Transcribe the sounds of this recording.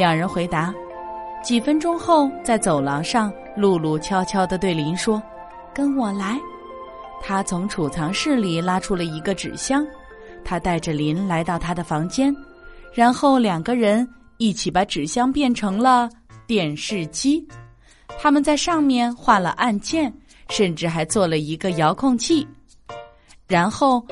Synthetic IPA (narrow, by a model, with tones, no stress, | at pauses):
ljɑ˨˩ŋɻə˧˥nxwe˧˥ɪt̪a˧˥ | t͡ɕi˨˩fə˥nʈ͡ʂʊ˥ŋxo˥˧ʊt͡sa˥˩ɪt͡so˨˩ʊlɑ˧˥ŋʂɑ˥˧ŋ | lu˥˧lu˥˩t͡ɕʰjɑ˥ʊt͡ɕʰjɑ˥ʊd̪ə˨t̪we˥˩ɪli˧˥nʂwɔ˥ | kə˥nwɔ˨˩la˧˥ɪ | t̪ʰa˥t͡sʰʊ˧˥ŋʈ͡ʂʰu˨˩t͡sʰɑ˧˥ŋʂɻ̩˥˩li˨˩la˥ʈ͡ʂʰu˥lə˨i˧˥ɡə˧ʈ͡ʂɻ̩̰˨˩ɕjɑ˥ŋ | t̪ʰa˥t̪a˥˩ɪʈ͡ʂə˩li˧˥nla˧˥ɪt̪ɑ˥˩ʊt̪ʰa˥d̪ə˨fɑ˧˥ŋt͡ɕjɛ˥n | ɻa˧˥nxo˥˩ʊljɑ˨˩ŋɡə˦ɻə˧˥n | i˥˩t͡ɕʰi˨˩pa˧˥ʈ͡ʂɻ̩˨˩ɕjɑ˥ŋpjɛ˥˩nʈ͡ʂʰɤ˧˥ŋlə˧t̪jɛ˥˩nʂɻ̩˥˩t͡ɕi˥ | t̪ʰa˥mə˨nt͡sa˥˧ɪʂɑ˥˧ŋmjɛ˥˧nxwa˥˩lə̰˨˩ʔa˥˧nt͡ɕjɛ˥˩n | ʂə˥˧nʈ͡ʂɻ̩˥˩xa˧˥ɪt͡swɔ˥˩lə˩i˧˥ɡə˧jɑ˧˥ʊkʰʊ˥˧ŋt͡ɕʰi˥˩ | ɻa˧˥nxo˥˩ʊ